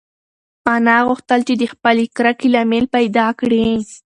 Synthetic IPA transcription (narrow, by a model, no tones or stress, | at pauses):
manɑɣʊxt̪əlt͡ʃed̪əxpəlekɾakilamelpajd̪ɑkɽi